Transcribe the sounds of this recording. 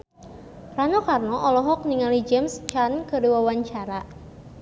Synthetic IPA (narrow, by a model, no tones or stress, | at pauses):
ranɔkarnɔʔɔlɔɦɔk̚niŋalid͡ʒɛmst͡ʃankədiwawaɲt͡ʃaɾa